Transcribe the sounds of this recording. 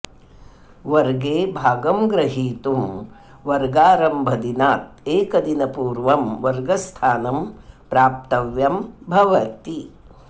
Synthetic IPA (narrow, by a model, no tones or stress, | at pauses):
ʋɐɾɡeːbʱaːɡɐmɡɾɐɦiːt̪um | ʋɐɾɡaːɾɐmbʱɐd̪inaːt̪̚eːkɐd̪inɐpuːɾʋɐmʋɐɾɡɐst̪ʰaːnɐmpɾaːp̚t̪ɐʋjɐmbʱɐʋɐt̪i